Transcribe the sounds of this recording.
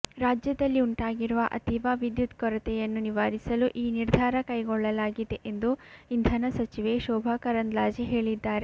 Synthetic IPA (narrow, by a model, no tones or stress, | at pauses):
ɾaːd͡ʒjɐd̪ɐlːiuɳʈaːɡiɾuʋɐʔɐ̰t̪iʋaːʋid̪jut̪kɔɾɐt̪ɛjɐnːuniʋaːɾisɐluʔiːniɾd̪ʱaːɾɐkɐjɡɔɭːɐlaːɡid̪e̞ʔend̪uind̪ʱɐnɐsɐt͡ʃiʋeʃɔːbʱɐkɐɾɐnd̪laːd͡ʒeɦe̞ːɭid̪ːaːɾe